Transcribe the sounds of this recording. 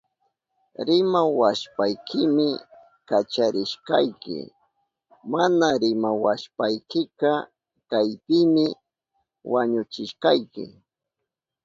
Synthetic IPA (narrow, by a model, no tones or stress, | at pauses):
ɾɪmawaʃpajkɪmɪ | kat͡ʃaɾɪʃkɑjkɪ̰ | manaɾɪmawaʃpajkɪkɑ | kajp̪ɪmɪ | waɲʊt͡ʃɪʃqɑjkɪ̰